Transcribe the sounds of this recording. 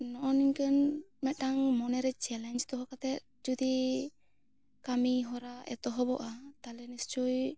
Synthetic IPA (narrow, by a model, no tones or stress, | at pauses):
nɔʔɔniɲkənmɛt̪̚ːaŋmɔnɛɾɛt͡ʃɛlaɲd͡ʒt̪ɔɦɔkat̪ɛt̪̚ | d͡ʒud̪i | kamiɦɔɾaɛ̰t̪ɔɦɔbɔʔat̪alɛnist͡ʃuj